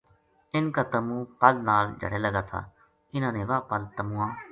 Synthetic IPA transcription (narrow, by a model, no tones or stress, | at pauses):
ɪnkaːt̪əmũːpəlnaːld͡ʒʱə̰ɽeːləɡaːt̪ʰa̰ː | ɪnãːnẽːʋaːpəlt̪əmũːãː